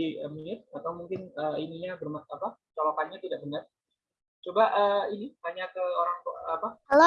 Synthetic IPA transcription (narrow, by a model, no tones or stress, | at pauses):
iəmuɲɪt̪̚at̪awmuŋkɪnəːiniɲabərmat̪apat͡ʃolakanɲat̪idaʔbənər | t͡ʃobaʔəːinihaɲakəoɾaŋapala